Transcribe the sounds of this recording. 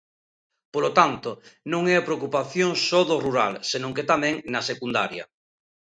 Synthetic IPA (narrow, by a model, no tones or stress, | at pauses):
polot̪ant̪onõŋɛapɾeokupaθjoŋsoðoruɾa̰lsenõŋket̪amɛ̃ŋnɐsekund̪a̰ɾjɐ̰